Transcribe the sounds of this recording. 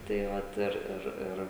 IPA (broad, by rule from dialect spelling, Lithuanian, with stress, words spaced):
tɐɪ ˈʋɐt ˈɪr ˈɪr ˈɪr